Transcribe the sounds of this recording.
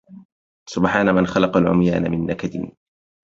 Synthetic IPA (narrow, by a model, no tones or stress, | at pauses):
sʊbħaːnamanxɑlɑqɑlʕʊ̰mja̰ːna̰mɪnːakad̪ɪ̰n